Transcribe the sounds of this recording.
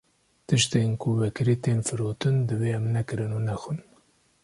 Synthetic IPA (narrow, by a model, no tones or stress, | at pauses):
t̪ɨʃt̪eːnkʰʊvɛkɨɾit̪eːnfɨɾoːt̪ɨnd̪ɨveːɛmnɛkɨɾɨnunɛxɨn